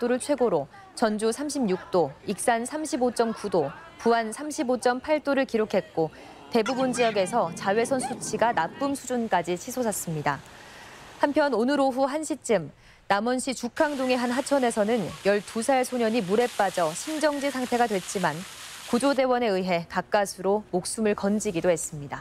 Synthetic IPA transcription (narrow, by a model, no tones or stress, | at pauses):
t͈oɾɯɭt͡ɕʰwe̞ɡoɾo | t͡ɕʌnd͡ʑusʰamɕʰibɲuk̚t͈oik̚s͈ansʰamɕʰibot͡ɕ͈ʌmkudo | puansʰamɕʰibot͡ɕ͈ʌmpʰaɭt͈oɾɯɭkiɾokʰe̞t̚k͈o | te̞bubund͡ʑijʌɡe̞sʰʌt͡ɕawe̞sʰʌnsʰut͡ɕʰiɡanap͈ɯmsʰud͡ʑunk͈ad͡ʑit͡ɕʰisʰosʰas͈ɯmɲida | hampʰjʌnonɯɾoɸuɦanɕʰit͡ɕ͈ɯm | namʌnɕʰit͡ɕukʰaŋdoŋe̞ɦanɦat͡ɕʰʌne̞sʰʌnɯnjʌɭtusʰaɭsʰoɲʌɲimuɾe̞p͈ad͡ʑʌɕʰimd͡ʑʌŋd͡ʑisʰaŋtʰe̞ɡadwe̞t͡ɕ͈iman | kud͡ʑode̞wʌne̞ɯɦe̞kak͈asʰɯɾomok̚s͈umɯɭkʌnd͡ʑiɡidohe̞s͈ɯmɲida